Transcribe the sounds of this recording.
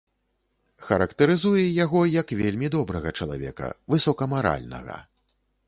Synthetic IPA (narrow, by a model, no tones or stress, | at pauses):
xɐɾɐkt̪ɐɾɨzujɛjaɣɔjɐkvʲelʲmʲid̪ɔbɾɐɣɐt͡ʂɐlˠa̰vʲɛ̰kɐ̰vɨsɔkɐmaɾa̰lʲnɐ̰ɣɐ̰